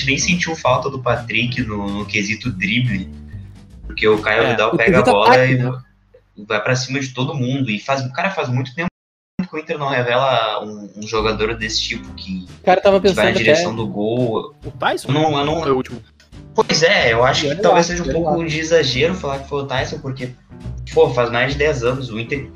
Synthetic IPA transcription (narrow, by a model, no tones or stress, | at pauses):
t͡ʃɪnẽj̃sẽnt͡ʃiwfawt̪ɐd̪ʊpat̪ɾikɪnʊnʊkezit̪ʊd̪ɾiblɪ | poɾkeʊkaɾɛvid̪awpɛɡɐibɔlɐɪ | vajpɾɐsĩmɐd͡ʒɪt̪od̪ʊmũd̪ʊɪfazʊkaɾɐfazmũj̃t̪ʊ̥t̪ẽm̃ | p̪ʊkɪ̃ĩnt̪eɾnɐ̃w̃ɦevɛlɐũũʒoɡad̪oɾd̪esɪ̥t͡ʃipʊ̥kʰɪkaɾɐt̪avɐpẽɪ̃svaj̃ɐd̪d͡ʒiɾeesɐ̃w̃d̪ʊɡowt̪ajsewnɐ̃w̃ewnɐ̃w̃ɛut͡ʃm | pojzɛewaʃʊ̥kɪawveseʒɐ̃ũpowkʊd͡ʒɪːzaʒeɾʊfalakɪ̥folʊt̪ajsepoɾkefohfazmajzd͡ʒɪd̪ɛzɐ̃nʊzʊĩnt̪eɾ